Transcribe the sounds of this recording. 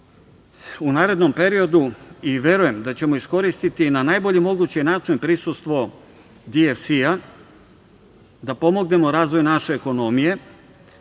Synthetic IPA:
unaːɾe̞d̪no̞mpe̞ɾio̞d̪uiʋʲje̞ɾuje̞md̪at͡ɕe̞mo̞isko̞ɾist̪it̪inanajbo̞ʎimo̞ɡut͡ɕinaːt͡ʂinpɾisust̪ʋo̞ | d̪iefsia | d̪apo̞mo̞ɡne̞mo̞ɾaːzʋo̞jnaʃe̞ːko̞no̞mije̞

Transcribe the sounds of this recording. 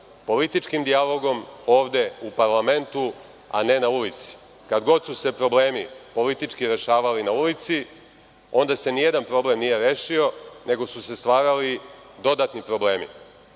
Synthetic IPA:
po̞lit̪it͡ʃkimd̪ialo̞ɡo̞moːʋd̪e̞upaɾlˠame̞nt̪u | a̰ne̞naulit̪si̥ | kad̪ɡo̞d̪suse̞pɾo̞ble̞ːmipo̞lit̪it͡ʃkiɾe̞ʃaːʋalinaulit̪si | o̞nd̪ase̞nije̞d̪anpɾo̞ble̞mnije̞ɾeːʃio̞ne̞ɡo̞suse̞st̪ʋaːɾalid̪o̞d̪at̪nipɾo̞bleːmḭ

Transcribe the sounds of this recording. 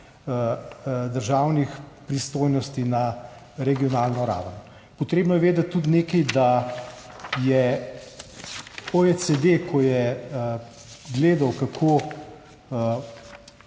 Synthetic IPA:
d̪əɾʒaːwnixpɾist̪oːjnɔst̪ina | ɾɛɡijɔnaːlnɔɾa̰ːwnɔ | pɔt̪ɾeːbnɔjɛʋeːd̪at̪̚ʲtːut̪neːkɛjd̪a | jɛ | oet͡sed̪ekʰɔjɛ | ɡleːd̪ɐwkakʰo

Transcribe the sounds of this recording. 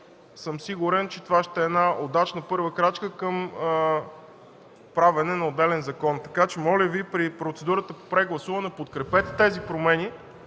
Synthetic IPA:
sɤmsiɡʊɾɛnt͡ʃɛt̪ovaʃt̪ɛːnaod̪at͡ʃnəpɤɾvəkɾat͡ʃkəkɤm | pɾavɛnɛnɐod̪ːɛlɛnzɐkɔnt̪ɐ̥kat͡ʃɛmɔlʲəvipɾipɾot̪sɛd̪uɾət̪əpopɾɛɡlˠɐsuvɐnɛpot̪kɾɛpɛt̪ɛ̥t̪ɛzipɾomɛni

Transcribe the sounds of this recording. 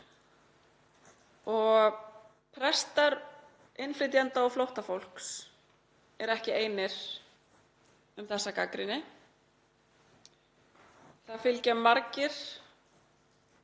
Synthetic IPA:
ɔɣ | pʰɾɛst̪aɾ | ejnflɪt̪jant̪aɔɣflowht̪afowl̥ks | ɛɾɛhcɪeːjnɪɾ̥ | ʏmθɛsːakakɾɪnːɪ | θaðfɪlcɛmːaɾcɪɾ̥

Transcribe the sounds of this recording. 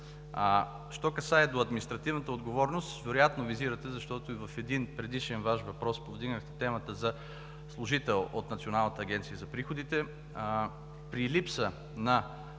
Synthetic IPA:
ʃt̪ɔkɐsaɛd̪oɐd̪minist̪ɾɐt̪ivnət̪əod̪ɡovɔɾnost̪vɛɾojat̪noviziɾɐt̪ɛzɐʃt̪ɔt̪oivɐfɛd̪inpɾɛd̪iʃɛnvaʃvɐpɾɔspovd̪iɡnəxt̪ɛ̥t̪ɛmət̪əzɐ | slˠʊʒit̪ɛlˠot̪nɐt̪sionalˠnət̪əːɡʲɛnt̪siəzɐpɾixod̪it̪ɛ | pɾilipsə | nɐ

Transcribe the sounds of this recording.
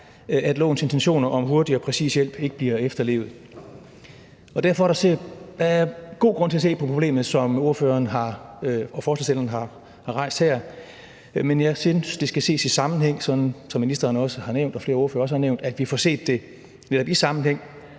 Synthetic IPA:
æd̥lɔ̰ːn̩se̝nt͡sʰenɕo̝̰ːnɐʔɒ̽mɦo̝ɐdiɒ̽pʰʁɛsḭːsjel̰b̥e̝ɡ̥əb̥liɐefd̥ɐle̝̰ːʊð̩ˠ | ɒ̽d̥æɐfɒæɐɾɑsed̥ɑæɐɡ̥o̝̰ːɡ̥ʁɔ̽n̰t͡sʰe̝æse̝̰ːpʰɒpʰoble̝̰ːmð̩ˠsɒ̽mo̝ɐføːɐːnɦɑ̈ɒ̽fɒːslesd̥elɐn̩ɦɑ̈ | hɑ̈ʁɑ̈ɪ̰sd̥hæɐ̰ | menjɑ̈ɪsynsd̥e̝sɡ̥æse̝̰ːsisɑ̈mn̩ɦeŋ̰sɒ̽d̥n̩sɒ̽mːinisd̥ɐːnɒ̽səhɑ̈neʊ̰nd̥ɒ̽fle̝ːɐoɐfø̰ːɐɒ̽səhɑ̈neʊnd̥æd̥ʋifɒse̝̰ːd̥ːe̝ | neɾɒ̽b̥isɑ̈mn̩heŋ̰

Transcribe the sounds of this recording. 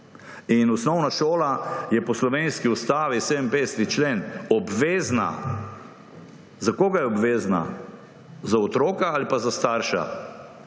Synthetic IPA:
inɔsnɔwnaʃoːlajɛpɔslɔʋeːnskiust̪aːʋiseːd̪əmpest̪it͡ʃleːnɔbʋeːzna̰ | zakoːɡajɛɔbʋeːzna̰ | zaɔt̪ɾoːkaalipazast̪aːɾʃa̰

